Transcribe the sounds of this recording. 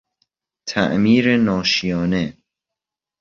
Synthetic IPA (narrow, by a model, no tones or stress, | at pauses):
t̪ʰæ̰ʔmiːɾenɒːʃijɒːne̞